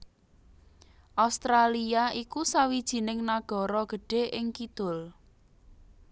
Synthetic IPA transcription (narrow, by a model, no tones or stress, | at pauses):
ʔaust̪ɾaliaʔikusawid̥ʒ̥i̤nɪŋnaɡ̥ɔ̤ɾɔɡ̥ə̤ɖ̥e̤ʔɪŋkid̪̥ʊ̤l